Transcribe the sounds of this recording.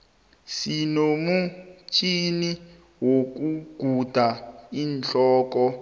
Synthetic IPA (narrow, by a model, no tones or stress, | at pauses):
sinomut͡ʃʰʼini | wok̬uɡ̥ʱud̥ʱaiːnt͡ɬʼɔːk̬ɔ